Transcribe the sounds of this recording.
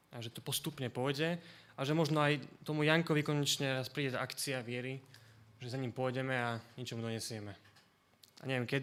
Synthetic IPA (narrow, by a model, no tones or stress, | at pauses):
aʒɛt̪ɔ̥pɔst̪upɲɛpɔjɟɛ | aʒɛmɔʒnɔajt̪ɔmujaŋkɔʋikɔɲɛt͡ʃɲɛɾaspɾiːɟɛzaʔakt͡siaʋɪɛɾiʒɛzaɲimpʊɔjɟɛmɛaɲɛt͡ʃɔmud̪ɔɲɛsɪɛmɛ | a̰ɲɛʋɛmkɛd̪